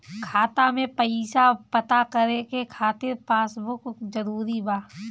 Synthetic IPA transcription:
kʰaːt̪amẽpɐɪsapɐt̪akəɾekekʰaːt̪ɪɾpaːsbʊkzɐɾuːɾibaː

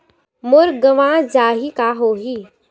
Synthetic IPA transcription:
mʊɾɡəʋãːd͡ʒaːɦikaɦoːɦi

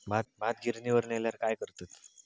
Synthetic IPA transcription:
mʱat̪̚m̤ʱat̪̚ɡʱiɾniʋəɾneljaɾkajkəɾt̪at̪

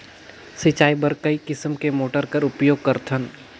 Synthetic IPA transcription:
sɪt͡ʃaːibəɾkɐikɪsmkemoːʈəɾkɐɾʊpjoːɡ̚kɐɾt̪ʰən

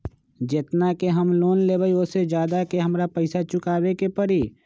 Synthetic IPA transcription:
d͡ʒɪt̪nakeɦɐmloːnlebaiʊsed͡ʒjaːd̪akeɦɐmɾapəɪsat͡ʃʊkaːwekepɐɽiː

